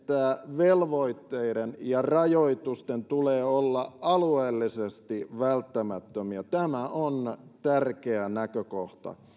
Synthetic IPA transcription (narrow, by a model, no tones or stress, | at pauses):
t̪ːæʋelʋoit̪ːeiɾenjɑrɑjoit̪ust̪ent̪uleːolːɑɑlueːlːisest̪iʋælt̪ːæmæt̪ːømiæt̪æmæʔont̪ærkeænækøkoht̪ɑ̰